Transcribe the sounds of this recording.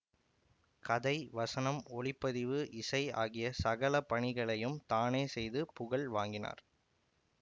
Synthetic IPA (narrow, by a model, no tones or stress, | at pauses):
kɐðɐɪʋɐsɐnɐmɔɭɪpːɐðɪʋɯʔɪsɐɪa̰ːɣɪjɐsɐɣɐɭɐpɐɳɪɣɐɭɐjɯmt̪aːneːsɛjðɯpʊɣɐɭʋaːŋɡɪna̰ːɾ